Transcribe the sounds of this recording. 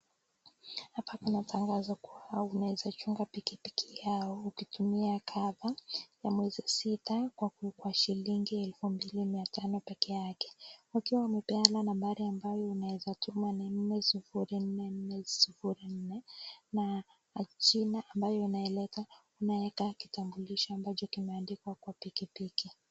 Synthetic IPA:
hapakunatʰaŋɡazakuwaunaɛzat͡ʃuŋɡapikipi̥kʰijaɔukitʰumiakʰaðajamwɛzisitakwakukwaʃiliŋɡiɛlfumbilimiatʰanɔpɛkɛjakɛ̥wakiwaumɛpɛalanambaɾiambajɔunaɛzatʰumanin̩nɛsifuɾin̩nɛn̩nɛsifuɾin̩nɛnaː | t͡ʃinaʔːmbajɔinaɛlɛta | unaɛkaki̥tambuliʃɔambat͡ʃɔkimɛandikwakwapikipiki

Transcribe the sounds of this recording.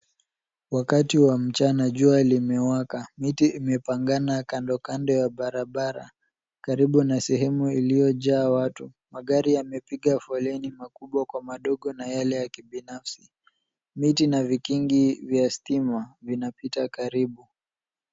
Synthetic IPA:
wakatiwam̩t͡ʃanaʄualimɛwakamitiːmɛpaŋɡanakandɔkandɔjaɓaɾaɓaɾa̰ | kaɾiɓunasɛɦɛmuilijɔʄaːwatu | maɠaɾijamɛpiɠafɔlɛnimakuɓwakwamaɗɔɠɔnajalɛjakiɓinafsi | mitinavikiŋɡivjastimavinapitakaɾiɓu

